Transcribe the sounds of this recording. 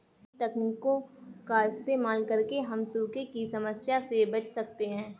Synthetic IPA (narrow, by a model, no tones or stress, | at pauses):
t̪ɛkniːkːõkaɪst̪eːmaːlkɐɾkeɦɐmsubkekisɐməsjasebɐt͡ʃsɐk̚t̪eɦɛ̃ː